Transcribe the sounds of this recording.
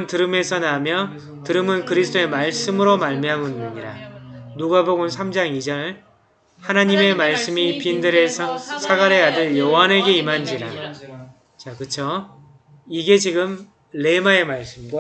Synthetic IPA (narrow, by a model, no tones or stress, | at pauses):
ntɯɾɯme̞sʰʌnamjʌ | tɯɾɯmɯnkɯɾisʰt͈ʰoe̞maɭs͈ɯmɯɾomaɭmjamɯnːɯɲiɾa̰nuɡaboɡonsʰamd͡ʑaŋid͡ʑʌɭ | hanaɲime̞maɭs͈ɯmipindɯɾe̞sʰʌsʰaɡaɾejadɯjʌwaneɡe̞imand͡ʑiɾa | t͡ɕakɯt͡ɕʰo | iɡe̞t͡ɕiɡɯm | le̞mae̞maɭs͈ɯmɡwa